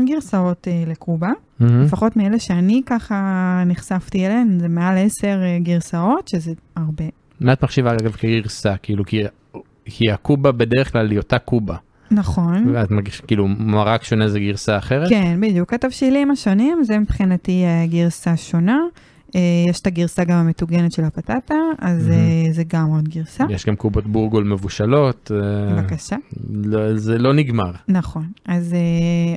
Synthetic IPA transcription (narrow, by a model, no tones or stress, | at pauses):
mɡiʁsao̞telekuba | lefaχo̞tmieleʃeanikaχaniχsaftielenzemeale̞se̞ʁeɡiʁsao̞tʃezeaʁbe̞ | meat̪maχʃivaaɡaɡavkeɡiʁsakiːluki | kʰiakubabedeʁeχklalːiotakubaː | aχo̞nvat̪maʁɡiʃakiːlumaʁakʃo̞nezeɡiʁsaːχeʁetkenbid̪jukhatavʃilimaʃo̞nimzemipχinatiaɡiʁsaʃo̞na | ejeʃtaɡiʁsaɡamametuɡenetʃelapatataazezeɡamodɡiʁsajeʃɡamkubo̞tbuʁɡolme̞vuʃalo̞t̪vakaʃalozelo̞niɡmaʁnaχo̞naze